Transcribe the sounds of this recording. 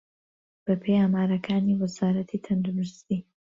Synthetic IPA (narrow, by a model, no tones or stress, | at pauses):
b̥ɐpʰejaːmaːɾɐkʰaːniːwɐzaːɾɐt̪ʰit̪ʰɐnd̪uɾust̪iː